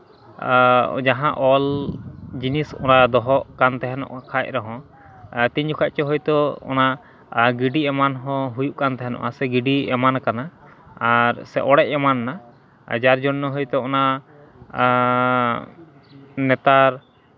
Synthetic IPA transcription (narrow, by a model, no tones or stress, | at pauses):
d͡ʒaɦãʔɔl | d͡ʒinisɔ̰nad̪ɔɦɔʔkant̪ɛɦɛnɔ̰ʔakʰac̚ɾɔɦɔ̃ | t̪iɲd͡ʒukʰac̚t͡ʃɔɦɔjt̪ɔɔ̰na | ɡiɖiɛmanɦɔ̃ɦujuʔkant̪ɛɦɛnɔ̰ʔasɛɡiɖiɛmankanaː | ɾsɛʔɔɽɛc̚ɛmanːa | d͡ʒaɾd͡ʒɔnːɔɦɔjt̪ɔɔna | nɛt̪aɾ